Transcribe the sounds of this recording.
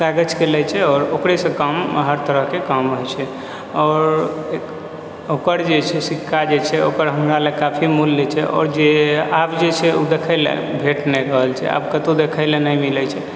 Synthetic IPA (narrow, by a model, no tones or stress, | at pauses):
kaɡət͡ʃkelɛt͡ʃʰɛɔːɾokɾesə̃kəmɦəɾt̪əɾəɦkekəmɦojt͡ʃʰɛ | ɔːɾ | okəɾd͡ʒet͡ʃʰɛsikʰːad͡ʒet͡ʃʰɛo̰kəɾɦəmɾalekapʰimulːet͡ʃʰɛʔɔ̰ːɾd͡ʒeabd͡ʒet͡ʃʰɛud̪ekʰəɪlḛbʱeʈnɛɾəɦəlt͡ʃʰɛ̰a̰bkət̪od̪ekʰəɪlenəjmilɛt͡ʃʰɛ